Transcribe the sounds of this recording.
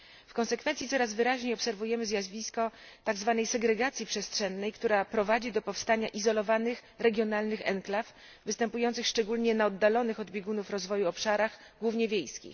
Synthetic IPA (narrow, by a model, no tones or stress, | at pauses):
fkɔ̃nsɛkfɛnt̪sʲit̪ɔɾazvɘɾaʑɲejɔpsɛɾvujɛmɘzʲjazvʲiskɔ | t̪aɡzvanɛjsɛɡɾɛɡat̪sʲjipʂɛstʂɛnːɛjkt̪uɾapɾɔvad͡ʑid̪ɔpɔfst̪aɲaʔizɔlɔvanɘx | ɾɛɡʲjɔnalnɘxɛ̰ŋklaf | vɘst̪ɛmpujɔnt̪sɘxʂt͡ʂɛɡulɲɛnaɔd̪ːalɔnɘxɔd̪bʲjeɡunufɾɔzvɔjuɔpʂaɾaɣ | ɡwuvɲɛvʲjejskʲḭx